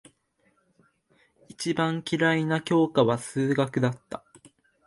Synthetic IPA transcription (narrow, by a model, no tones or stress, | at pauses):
it͡ɕibãŋkʲiɾainakʲo̞ːkaβasɨːɡakɯ̟d̪at̪ːa